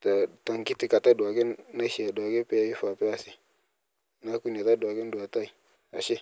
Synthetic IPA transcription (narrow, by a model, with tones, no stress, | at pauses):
ta˨ta˨ŋki˦ti˨ka˨ta˦du˨a˨ɡe˦nna˦ʃi˨a˨dwa˨ɡe˦pe˦i˦fa˨pe˦a˦si˨ | na˦ku˦˨n˨e˨ta˦da˨ke˦n˦du˨a˨ta˦i˨ | a̰˨ʃe˦